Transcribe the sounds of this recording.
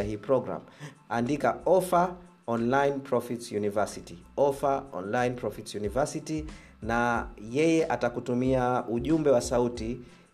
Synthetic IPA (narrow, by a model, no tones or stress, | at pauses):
ahiːpɾɔɡɾa̰mandikaɔfa | ɔnlainpɾɔfitsjunivasiti | ɔfaɔ̰nlainpɾɔfitsjunivasiti | najɛjɛʔatakutumiauʄumbɛwasauti